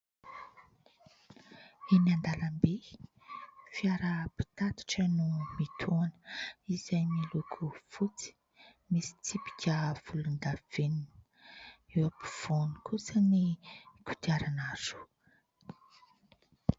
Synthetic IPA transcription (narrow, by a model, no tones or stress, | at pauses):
inand̪alambe | fiaɾəpi̥t̪at̪i̥ʈ͡ʂənumit̪ʰuanəizajmilukʰufut͡si̥ | misi̥t͡sipi̥kʲəv̥ulund̪av̥enin | ewapiv̥onikusənikut̪iaɾanaz̥u̥